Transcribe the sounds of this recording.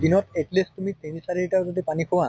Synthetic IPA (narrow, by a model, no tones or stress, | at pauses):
d̪inɔteʈlestumit̪inisaɾiɹʈazat̪̬epanikʰɔwa